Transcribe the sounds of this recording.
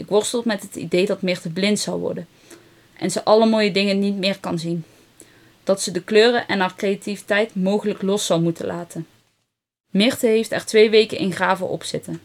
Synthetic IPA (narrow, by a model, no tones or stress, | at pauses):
ʔɪkʋɔɹstəlˠtmɛtɦətḭdejdɑtmɪɹtəblɪntsɑ̰wʋɔ̰ɹdən | ʔɛnzəʔɑləmoːjədɪŋənitmɪːɹkɑnzin | d̥ɑtsədəkløːrəʔɛnɦaːɹkrejativitɛjtmowχələklɔsɑwmutə̰nlʔaːtʰən | mɪɹtəɦejftɛɹtʋejʋejkə̰nʔɪ̰nχraːvə̰ʔɔ̰psɪtən